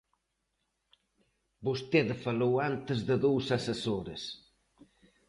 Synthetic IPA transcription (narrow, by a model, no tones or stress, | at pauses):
bust̪eðfalowant̪əzðəðowsasəsoɾḛs